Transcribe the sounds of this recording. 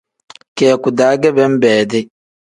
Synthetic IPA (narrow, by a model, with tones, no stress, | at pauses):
kɛː˨ku˨daː˨˦ɡɛ˦bɛ˦m̩˦bɛː˨dɪ˦